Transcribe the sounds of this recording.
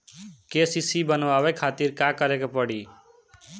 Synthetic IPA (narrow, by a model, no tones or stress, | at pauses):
keːsiːsiːbənʋaːʋeːkʰaːt̪iːɾkaːkəɾeːkepəɽiː